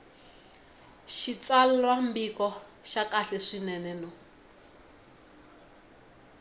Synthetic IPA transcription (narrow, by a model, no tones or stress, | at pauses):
ʃit͡salɛlwambikɔʃakaɬɛʂinɛnɛnɔ